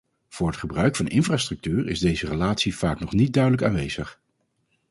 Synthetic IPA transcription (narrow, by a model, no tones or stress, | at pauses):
v̥ʊːɹɦətχəbrœɥkfɑnɪnfraːstrɵk̚tyːrɪ̰zdejzərəlaːtsiv̥aːknɔχnit̚dœɥdələka̰ːnʋejz̥əχ